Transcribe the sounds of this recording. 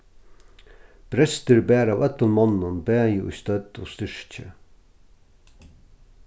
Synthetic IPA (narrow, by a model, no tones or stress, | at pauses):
b̥ɾɛst̪əɹbæːɾɑːʋœt̪ənmɔnənbæːjṵːst̪œd̪̥o̰ːst̪ʏʂc͡çə